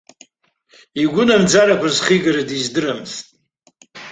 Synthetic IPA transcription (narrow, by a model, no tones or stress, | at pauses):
iɡʷʊnamd͡zaɾakʷʰazχiɡaɾadizdɨɾamθtʼ